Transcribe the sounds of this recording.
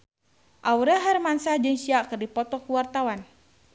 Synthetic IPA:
ʔauɾaɦarmansad͡ʒɨŋʃiaʔkɨrdipɔt̪ɔkuwart̪awan

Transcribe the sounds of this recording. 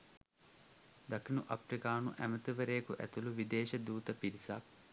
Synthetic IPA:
d̪akʰinuʔapɾikaːnuʔæmət̪iʋəɾeːkuʔæ̰t̪uluʋid̪eːʃɐd̪uːt̪əpiɾisak̚

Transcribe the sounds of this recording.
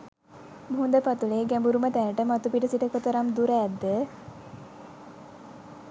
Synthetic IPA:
bʱund̪əpat̪uɭeɡæmbuɾumət̪ænəʈəmat̪upiʈəsiʈəkot̪əɾamd̪uɾɛːd̪ːə

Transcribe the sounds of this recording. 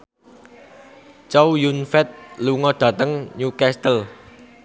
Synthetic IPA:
t͡ʃɔwjunfɛt̪̚luŋɔd̪̥ä̤t̪əŋɲukɛst̪əl

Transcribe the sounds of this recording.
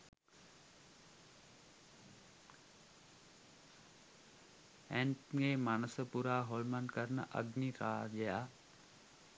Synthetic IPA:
ɛ̃ɳʈeːmaːnəsəpuːɾaːɦoːlmənkəɾnə̰ʔə̰ɡniɾaːʄəjaː

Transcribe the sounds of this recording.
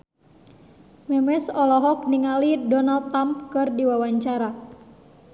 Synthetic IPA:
mɛmɛsɔlɔɦɔk̚niŋalidɔnalt̪ːɾamp̚kɨrdiwawaɲt͡ʃaɾa

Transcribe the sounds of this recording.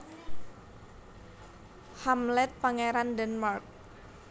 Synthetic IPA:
hamlɛt̪̚paŋeɾandɛnmark̚

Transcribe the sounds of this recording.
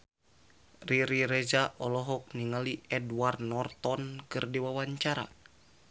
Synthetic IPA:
riɾiɾɛzaʔɔlɔɦɔk̚niŋaliɛdward̪nɔrt̪ɔnkɨrdiwawaɲt͡ʃaɾa̰

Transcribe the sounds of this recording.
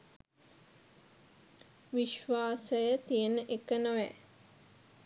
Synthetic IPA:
ʋiʃʋaːsəjət̪ijənəʔekənəʋæ̰

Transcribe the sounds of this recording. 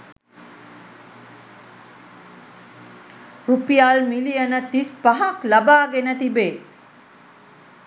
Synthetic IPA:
rupijaːlmilijənət̪ispaɦaklabaːɡenət̪ibeː

